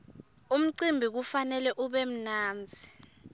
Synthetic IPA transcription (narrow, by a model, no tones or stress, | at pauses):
um̩ǀimbʱik̬ufanɛlɛʔuɓem̩naːnd͡zʱi